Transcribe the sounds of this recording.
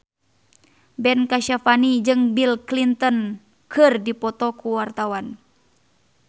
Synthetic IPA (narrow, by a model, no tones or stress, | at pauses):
bɛnkaʃafanid͡ʒɨŋbilklint̪ɔn | kʰɨrdipɔt̪ɔkuwart̪awan